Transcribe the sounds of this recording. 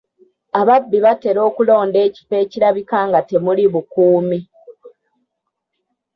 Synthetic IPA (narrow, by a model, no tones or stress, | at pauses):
aβabːiβate̞ɾo̞ːkulo̞ːnde̞ːci̥pe̞ːciɾaβikaːŋɡate̞muliβukuːmi